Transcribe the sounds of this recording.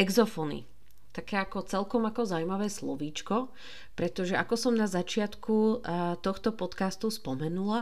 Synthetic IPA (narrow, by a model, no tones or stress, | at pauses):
ɛɡzɔfɔnḭ | t̪akɛːakɔt͡sɛlkɔmakɔzawmaʋɛːslɔ̰ʋiːt͡ʃkɔ | pɾɛt̪ɔʒɛʔakɔsɔmnazat͡ʃɪat̪kʰut̪ɔxt̪ɔpɔt̪kast̪uspɔmɛnula